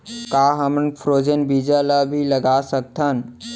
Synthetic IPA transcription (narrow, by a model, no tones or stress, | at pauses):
kaːɦəmnpʰɾoːd͡ʒənbiːd͡ʒalabʱilɐɡaːsək̚t̪ʰən